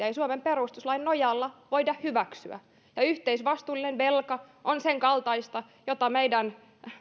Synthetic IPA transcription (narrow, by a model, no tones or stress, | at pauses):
ɑisuomemperust̪uslɑinːojɑlːɑʋoidɑhhyʋæksy̰æ̰ | jɑyht̪eisʋɑst̪uːlinenʋelkɑʔonseŋkɑlt̪ɑist̪ɑ | jot̪ɑmeidæn